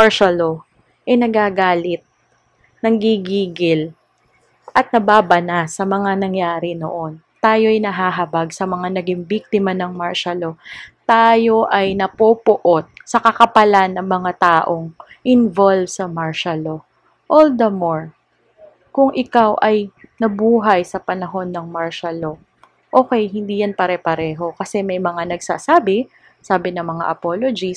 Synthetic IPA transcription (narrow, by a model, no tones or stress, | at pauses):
maɹʃalo | ʔɐjnɐɡaːɡaːlɪt̪̚ | nɐŋɡiɡiːɡɪl | ʔɐt̪̚nɐbaːbɐnasɐmɐŋanɐŋjaːɾɪno̰ʔon | t̪aːjo̞ʔɐjnɐɦaːɦɐbaɡsɐmɐŋanɐɡɪŋbik̚t̪ɪmɐnɐŋmaɹʃɐlo̞t̪aːjo̞ʔɐjnɐpoːpʊʔo̞t̪̚sɐkɐkɐpɐlanːɐŋmɐŋat̪aːʔoŋ | ʔɪnvolvsɐmaɹʃɐlo | ʔold̪ɐmoɹ | kʊŋʔɪkawʔɐjnɐbuːɦɐjsɐpɐnɐɦo̞nːɐŋmaɹʃɐlo̞ | ʔoːkɛjhɪnd̪iːjɐnpɐɾɛpɐɾɛːɦo̞kɐsɛmɐjmɐŋanɐɡsa̰ːsaːbɪ | saːbɪnɐŋmɐŋa̰ʔɐpolod͡ʒis